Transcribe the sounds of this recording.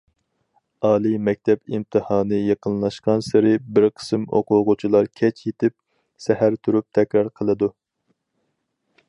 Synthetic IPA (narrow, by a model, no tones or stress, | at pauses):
ɑːlˠɨmɛk̚ʲt̪ʰɛpimt̪ʰɨhɑːnɨjɑqʰənlˠɑʃqɑnsɪɾɪbɪɾqʰə̥sɨmo̰qʊʁʊt͡ʃʰilˠɑɾkʲʰɛt͡ʃʰjet̪ʰɪp̚ | sɛhæɾt̪ʰuɾup̚t̪ʰɛkʲɾɑɾqʰəlˠɨd̪u